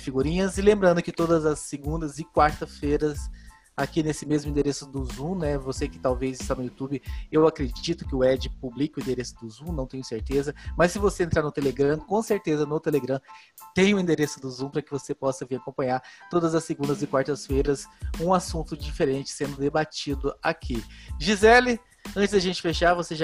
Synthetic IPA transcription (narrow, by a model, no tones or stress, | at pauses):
fiɡuɾĩɲɐzɪlẽmbɾɐ̃nd̪ʊkɪt̪od̪ɐzɐsːeɡũnd̪ɐzɪkwaɾt̪ɐsfejɾɐs | akinesɪmezmʊĩnd̪eɾesʊd̪ʊzũnɛvosekɪ̥t̪awvezɪst̪anʊjut̪ubɪewakɾed͡ʒit̪ʊkɪʊɛd͡ʒɪpublikɪʊĩd̪eɾesʊd̪ʊzũnɐ̃w̃t̪ẽɲ̃ʊseɾt̪ezɐmɐsːɪvoseẽnt̪ɾaɾnʊt̪eleɡɾɐ̃kõseɾt̪ezɐnʊt̪eleɡɾɐ̃ | t̪ẽj̃ʊ̃ĩnd̪eɾesʊd̪ʊzũpɾɐkɪvosepɔsɐviɾakõpɐ̃ɲaɾt̪od̪ɐzɐsːeɡũnd̪ɐzɪkwaɾt̪ɐsfejɾɐsũasũnt̪ʊd͡ʒifeɾẽt͡ʃɪ̥sẽnd̪ʊd̪ebat͡ʃid̪ʊakʰiʒizɛlɪ | ɐ̃t͡ʃɪzd̪aʒẽnt͡ʃɪ̥feʃaɾvoseʒa